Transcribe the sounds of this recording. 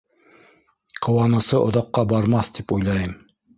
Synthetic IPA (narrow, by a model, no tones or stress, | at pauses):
qʰŏwɑnɤ̆sɤʔŏ̰ðɑqːɑbɑɾmɑθt̪ipujlˠɑjɤm